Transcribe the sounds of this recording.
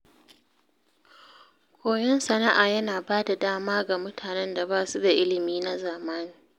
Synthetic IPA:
kʷʰoː˨jɛ˦nsɐ˨na˦ʔaː˨jɐ˦naː˨baː˦da˨daː˦maː˦ɡa˨mʊ˦tʰaː˨nɛ˦nda˨baː˦˨su˦da˨ʔɪ˦lɪ˨miː˦na˦zaː˨maː˦niː˨

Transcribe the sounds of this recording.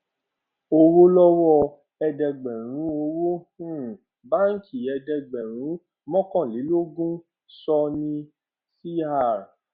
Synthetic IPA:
o˧wo˦lɔ˦wɔ˦˧ | ɛ˧dɛ˧ɡ͡bɛ˨ɾ̃ũ˨˦o˧wo˦hũ˦˨ | ba˦ŋ̩˦ki˨ɛ˧dɛ˧ɡ͡bɛ˨ɾ̃ũ˨˦ | mɔ̃˦kɔ̃˦˨li˨˦lo˦ɡũ˦ | sɔ˧nĩ˧ | si˦a˦˨ɾ

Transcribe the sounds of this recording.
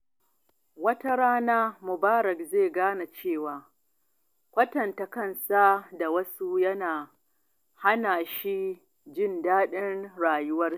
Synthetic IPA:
wɐ˦ta˦ɽaː˦naː˦mʊ˨baː˦ɾɐ˨kzeː˦˨ɡaː˦na˨t͡ʃeː˦˨waː˨ | kʷɐ˦tɐ˨nta˨kɐ˦˨nsa˦da˨wɐ˦su˦jɐ˦naː˨ | ha˦naː˨ʃi˦ | d͡ʒɪ˦˨ndaː˦ɗɪ˦nɽaː˨jʊ˦wɐ˦r

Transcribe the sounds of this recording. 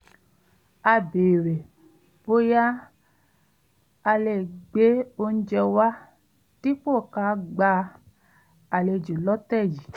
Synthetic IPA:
a˧beː˨ɾe˨ | bo˦ja˦ | a˧le˨ɡ͡be˦o˧n̩˦d͡ʒɛ˧wa˦ | ti˦k͡po˦˨ka˨˦ɡ͡ba˧˦ | a˨le˧˨d͡ʒo˨lɔ˦tɛ˦˨d͡ʒi˨

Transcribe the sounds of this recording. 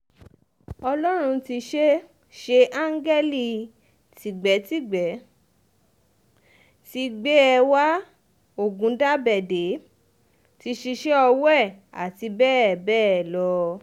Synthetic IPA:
ɔ˧lɔ˦ɾ̃ũ˧ti˧ʃe˦ | ʃe˧ʔã˦ŋ˦ɡɛ˦li˦˨ | ti˨ɡ͡bɛ˨˦ti˦˨ɡ͡bɛ˨˦ | ti˧ɡ͡be˦ɛ˧wa˦ | o˦˨ɡũ˨˦da˦bɛ˨de˨˦ | ti˧ʃi˧ʃe˦ɔ˧wɛ˦˨a̰˨ti˧bɛː˦˨bɛː˦ɛ˨lɔ˧

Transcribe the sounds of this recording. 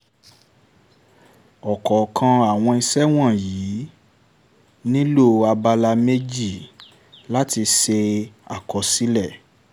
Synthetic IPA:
ɔ˨kɔ˨kʰã˧a˨w̃ɔ̃˧i˧sɛ˦w̃ɔ̃˦˨jiː˨˦ | nĩ˦lo˦˨a˧ba˧la˧me˦d͡ʒi˦˨ | la˦ti˧ʃe˧a̰˨kɔ˨si˨˦lɛ˦˨

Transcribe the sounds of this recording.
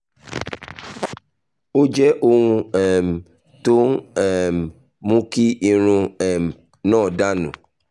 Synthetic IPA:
o˦d͡ʒɛ˦ʔo˧wũ˧ɛ˨m˨ | to˦ɛ˦˨m˨ | mũ˦ki˦i˧ɾ̃ũ˧ɛ˨m˨ | nãː˦˨da˦nṵ̃˨

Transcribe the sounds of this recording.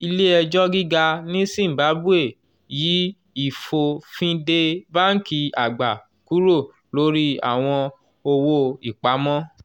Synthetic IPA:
i˧le˦ɛ˧d͡ʒɔ˦ɡi˦ɡa˧nĩ˦sĩ˦˨m̩˨ba˨˦bu˦e˦˨ | ji˨˦ | i˦˨fo˧fĩ˧de˧ba˦n̩˦ki˧a˨ɡ͡ba˨ | ku˨˦ɾo˦˨ | lo˨˦ɾi˦a̰˦˨w̃ɔ̃˧ | o˧wo˦i˦˨k͡pa˨˦mɔ̃˦

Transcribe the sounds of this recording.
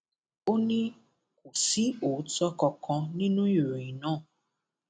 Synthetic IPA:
o˦nĩ˦ | ku˨si˦o˨˦tɔ˦kɔ˧kʰɔ̃˧nĩ˦nũ˦i˨ɾo˨ĩ˨nãː˦˨

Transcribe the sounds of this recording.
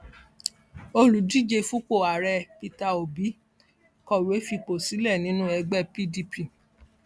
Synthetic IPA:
o˧lu˨di˦˨d͡ʒe˧fu˦ko˦˨a˨ɾɛ˧pi˧ta˧o˨bi˨˦ | kɔ˦˨we˨˦fi˧k͡po˨si˨˦lɛ˦˨nĩ˦nũ˦ɛ˧ɡ͡bɛ˦pi˦di˧pi˨

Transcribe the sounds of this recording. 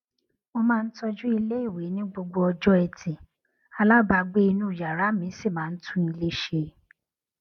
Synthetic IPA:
o˧mãː˦˧n̩˦tɔ˧d͡ʒũ˦i˧le˦i˦˨we˨˦nĩ˦ɡ͡bo˧ɡ͡bo˧ɔ˧d͡ʒɔ˦ɛ˧tʰĩ˨ | a˧la˦ba˧ɡ͡be˦i˧nũ˦˨ja˨ɾa˨˦mĩ˨˦si˦˨mãː˨˦n̩˦tʰũ˦i˧le˦ʃe˧

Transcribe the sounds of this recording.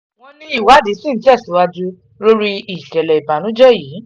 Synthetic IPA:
w̃ɔ̃˧nĩ˧i˦˨wa˨˦di˨˦sĩ˦˨n̩˦ti˦˨su˨˦wa˧d͡ʒu˦ | lo˦ɾi˧i˨kɛ˨lɛ˨i˨ba˨nũ˨˦d͡ʒɛ˦˨jiː˨˦

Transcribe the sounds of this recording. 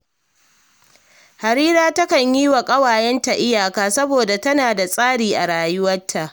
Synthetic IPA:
ha˨ɾiː˦ɾaː˦tɐ˦kɐ˨ɲjiː˦wa˨kʼɐ˦waː˨jɛ˦nta˨ʔɪ˦jaː˨kaː˦sɐ˦boː˨da˨tɐ˦naː˨da˨sʼaː˦ɽiː˨ʔa˨ɽaː˨jʊ˦wɐ˦tʰːa˨ʔ

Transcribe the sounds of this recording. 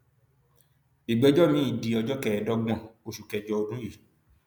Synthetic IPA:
i˨ɡ͡bi˨ɔ˦d͡ʒɔ˦˨mĩ˨˦i˦˨di˨ɔ˧d͡ʒɔ˦kɛ˨dɔ˦ɡ͡bɔ̃˧o˧ʃu˨kɛ˨d͡ʒɔ˧o˧dũ˦ji˦˨

